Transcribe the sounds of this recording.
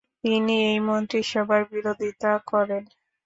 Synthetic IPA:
t̪iniejmont̪ɾiʃɔbʱaɾbiɾod̪ʱit̪akɔɾen

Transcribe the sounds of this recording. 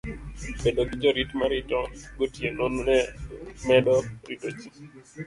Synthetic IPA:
bedoɡid͡ʒɔɾitmaɾitɔɡotjenononɛmɛɗɔɾitot͡ʃi

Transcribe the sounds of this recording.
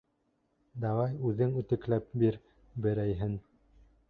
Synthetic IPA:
d̪ɑwɑjʉðɘŋʉt̪ɘ̆klæp̚biɾ | bɘ̆ɾæjɦɘn

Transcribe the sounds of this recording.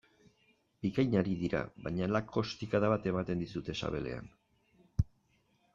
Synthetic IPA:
bikajɲaɾiðiɾa̰βajɲalakʰo̞st̪ikaðaβat̪e̞mat̪e̞nd̪isut̪e̞sa̰βe̞le̞̰a̰n

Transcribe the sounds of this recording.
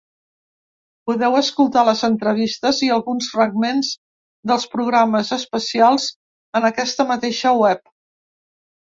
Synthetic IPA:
puðɛwəskulˠt̪aləzənt̪ɾəβ̞ist̪əziəlˠɣunsfɾəɡ̚menz | d̪əlˠspɾuɣ̞ɾaməzəspəsialˠz | ənəkɛst̪əmət̪eʃəwɛp̚

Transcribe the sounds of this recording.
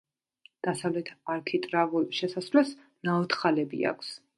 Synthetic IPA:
d̪̥asavlɛt̪ʰaɾkʰit̪ʼɾavulˠʃɛsasvlɛs | naɔt̪χalɛbḭa̰kʰs

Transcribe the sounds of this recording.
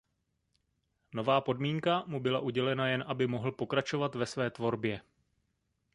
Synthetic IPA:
no̞vaːpo̞dmiːŋkamubɪlaʔuɟɛlɛnajɛnʔabɪmo̞ɦl̩po̞kɾat͡ʃo̞vat̪vɛsvɛːt̪vo̞ɾbjɛ

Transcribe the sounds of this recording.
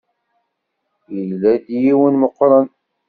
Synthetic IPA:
jəlːæd̪jiwənməqːɾˤɑn

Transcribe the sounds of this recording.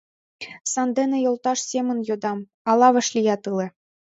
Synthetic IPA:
sɑnd̪enĕjolˠt̪ɑʃsʲemə̆njod̪ɑm | ɑlˠɑβɤ̆ʃlʲijɑt̪ɯlĕ

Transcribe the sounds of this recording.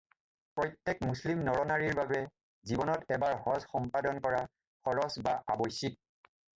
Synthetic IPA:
pɹɔjtːɛkmuslimnɔɹɔnaɹiɹbabɛ | zibɔnɔtɛbaɹɦɔzxɔmpadɔnkɔɹa | xɔɹɔsbaʔa̰bɔjsit̚

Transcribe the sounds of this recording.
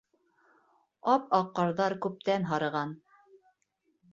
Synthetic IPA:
ɑpɑqːɑɾðɑɾkʉp̚t̪ænɦɑɾɤ̆ʁɑn

